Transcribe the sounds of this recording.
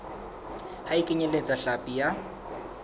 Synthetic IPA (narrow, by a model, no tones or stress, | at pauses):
haikʼɪɲelet͡sʼaɬapʼija